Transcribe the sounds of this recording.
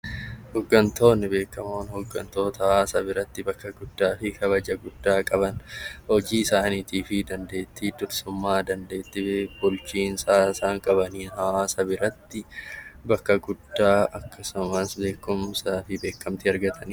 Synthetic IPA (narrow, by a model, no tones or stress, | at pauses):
hɔɡːɐnt̪o̞ːnːɪbe̞ːkːɐmoːnhɔɡːɐnt̪o̞ːt̪ɐhaːsɐbɪɾɐt̪ːɪbɐkːɐɡʊd̪ːaːfɪkɐbɐd͡ʒɐɡʊd̪ːaːkʼɐbɐnhɔd͡ʒiːɪsaːniːt̪iːfɪd̪ɐnd̪e̞ːt̪ːit̪ʊɾsʊmːaːd̪ɐnd̪e̞ːt̪ːɪbbʊlt͡ʃiːnsaːɪsaːŋkʼɐbɐniːnhaːsɐbɪɾɐt̪ːɪbɐkːɐɡʊd̪ːaːɐkːɐsʊmɐsbe̞ːkːʊmsaːfɪbe̞ːkːɐmt̪ɪɐɾɡɐt̪ʰɐnː